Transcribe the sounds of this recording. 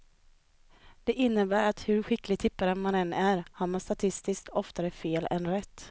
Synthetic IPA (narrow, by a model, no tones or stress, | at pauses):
d̪̥ɛʔɪnːəbæːɾat̪hɵɾɧɪklɪɡt̪ʰɪpːaɾəmanɛnːæɾhaɾmanst̪at̪ʰɪst̪ɪskt̪ɔft̪aɾəfeːlɛ̰nɾɛt̪ː